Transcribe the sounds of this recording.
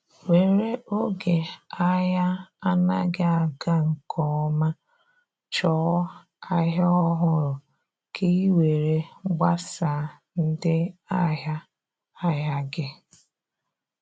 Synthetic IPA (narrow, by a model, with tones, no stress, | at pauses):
we˨ɾe˦ʔo˦ɡe˨a˦ja˦a˦na˦ɡɪ˦a˨ɡa˦ŋ̩˨kʰɔ˨ɔ˦ma˦ | t͡ʃɔː˦ | a˦ɦa˦ɔ˦ɦʊ˦ɾʊ˨ | kʰi˦i˦we˨ɾe˦ɡ͡ba˦sa˨˦ | n̩˦dɪ˦a˦ɦa˦ | a˦ja˦ɡɪ˦